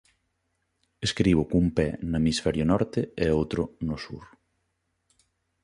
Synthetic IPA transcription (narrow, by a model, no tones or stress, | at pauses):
eskɾiβ̞ʊkumpɛnamisfɛɾjʊnɔɾt̪eeowt̪ɾʊnosṵɾ